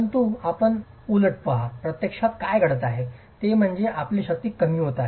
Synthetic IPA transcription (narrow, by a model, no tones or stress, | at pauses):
əənt̪uapəɳ | uləʈ̚pəɦapɾət̪jəkʂat̪kajɡʱəɽət̪aɦe | t̪em̤əɳd͡zeʔapliːɕək̚t̪iːkəmiːɦot̪a